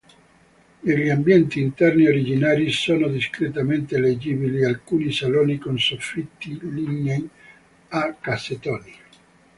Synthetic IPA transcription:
eʎiambjɛnt̪iːnt̪ɛrnioɾid͡ʒinaːɾisoːnod̪iskɾet̪ament̪eeled͡ʒibilialkuːnisaloːnikonsofːit̪ːiliɲːeŋ | akːaset̪ɔːni

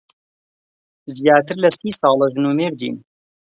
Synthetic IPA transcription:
zjaːt̪ɨɾlɐsiːsɑːlˠɐʒɨnuːmeːɾd̪ḭːn

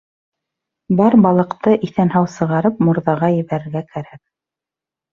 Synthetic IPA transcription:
bɑɾbɑlˠɤ̆qt̪ɤʔiθænɦɑwsɤ̆ʁɑɾɤp̚muɾðɑʁɑjɘ̆βæɾɘ̆ɾɡækæɾæk̚

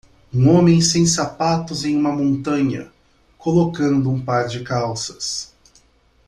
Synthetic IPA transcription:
ũõmẽj̃sẽj̃sapat̪ʊzẽj̃ũmɐmõnt̪ɐ̃ɲɐ̰ | kolokɐ̃nd̪ʊũpaɾd͡ʒɪkawsɐ̥s

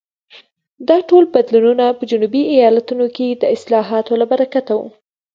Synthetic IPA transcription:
d̪ɑʈolbad̪lununapəd͡ʒʊnubiajɑlat̪unoked̪əɪslɑɦɑt̪olabaɾakat̪awṵ

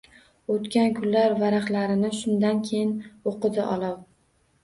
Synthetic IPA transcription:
ot̪kʲankʰʊlːaɾvaɾaχlaɾɪnɪʃʊnd̪ankʲʰejɪnoqɨd̪ɪʔɒlˠaw

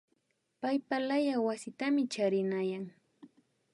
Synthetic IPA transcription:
pajpalajawasɪt̪amɪt͡ʃaɾɪnajaŋ

